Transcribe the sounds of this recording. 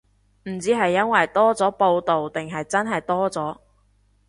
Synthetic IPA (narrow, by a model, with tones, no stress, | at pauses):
m̩˨˩t͡siː˨˥ɦɐ˨jːɐ˥nwɐ˨jt̪ɔː˥t͡sɔː˨˥po˧wt̪o˨wt̪ɪ˨ŋɦɐ˨jt͡sɐ˥nɦɐ˨jt̪ɔː˥t͡sɔː˨˥